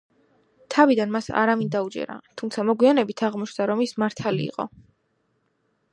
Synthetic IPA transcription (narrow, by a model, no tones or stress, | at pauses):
t̪ʰavid̪anmasa̰ɾavind̪aud͡ʒɛ̰ɾa̰t̪ʰumt̪sʰamɔɡwianɛbit̪ʰaʁmɔt͡ʃʰd̪aɾɔmismaɾt̪ʰalḭːqʼɔ̰